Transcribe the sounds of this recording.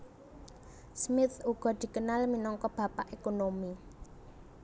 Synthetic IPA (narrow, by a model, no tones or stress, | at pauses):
smɪθuɡ̥ɔ̤d̪̥i̤kənalminɔŋkɔb̥ä̤paʔekonomi